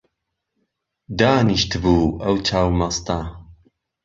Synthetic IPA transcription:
d̪aːniʃt̪ʰbuɐwt͡ʃʰawmast̪a

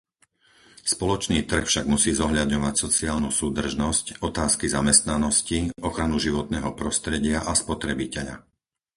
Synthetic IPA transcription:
spɔlɔt͡ʃniːt̪r̩xfʃaɡmusiːzɔɦʎad̪ɲɔʋacsɔt͡siaːlnusuːd̪r̩ʒnɔscɔt̪aːskizamɛst̪nanɔsciɔxɾanuʒiʋɔt̪nɛːɦɔpɾɔst̪ɾɛɟɪaʔaspɔt̪ɾɛbicɛʎa̰

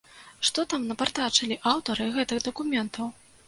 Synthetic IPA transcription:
ʂt̪ɔt̪amnɐpart̪at͡ʂɐlʲiʔawt̪ɐɾɨɣɛt̪ɨɣd̪ɐkumʲɛnt̪ɐw

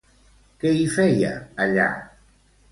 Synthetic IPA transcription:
keifɛja̰ːʎa̰

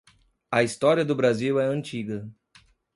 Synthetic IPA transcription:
ɐist̪ɔɾiɐd̪ʊbɾaziwɛɐ̃nt͡ʃiɡɐ

